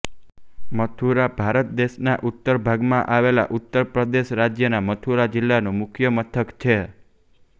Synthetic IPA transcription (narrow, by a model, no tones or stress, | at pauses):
mət̪ʰuɾabʱaɾət̪̚d̪eʃnaʔut̪ːəɾbʱaɡmãʔaʋela̰ʔut̪ːəɾpɾəd̪eʃɾad͡ʒjənamət̪ʰuɾad͡ʒɪlːanõmʊkʰjəmət̪ʰəkt͡ʃʰe